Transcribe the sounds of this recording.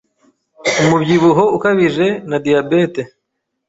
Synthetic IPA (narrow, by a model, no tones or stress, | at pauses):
umubɟiβuɦoukaβiʒe̞nadijabete